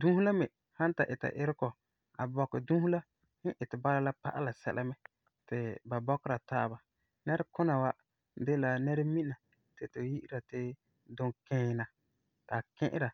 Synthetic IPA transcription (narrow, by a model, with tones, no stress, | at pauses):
dũ˦hu˦la˦mɪ˨ | hã˦n˦ta˨ʔɪ˨ta̰˨ʔɪ˦ɾɪ˦kɔ˨ | a̰˨bɔ˨kːɪ˨dũ˦hu˦la˦ | h̩˦ʔɪ˨tɪ˨ba˦ɾa˦la˦pa̰˦ʔa˦la˨sɛ̰˦lʔa˦mɛ˦ | tɪ˨ba˨bɔ˦kɪ˦ɾa˨taː˦ba˨ | nɛ˦ɾa˦kʊ˦na˨wa˦ | de˦la˨nɛ˦ɾa˦mi˦na˨ | tɪ˨tʊ˨ji˦ʔi˦ɾa˨tɪ˦ | dʊ˨ŋkɪ̃˨˦˨na˨ | ta˨kɪ̃˦ʔɪ̰˦ɾa˨